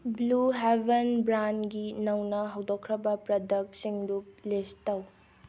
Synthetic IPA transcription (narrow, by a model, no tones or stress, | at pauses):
bluɦebɐnbɾanɡinɐwnɐɦɐwdokʰɾɐbɐpɾɐdɐk̚siŋdup̚lestɐw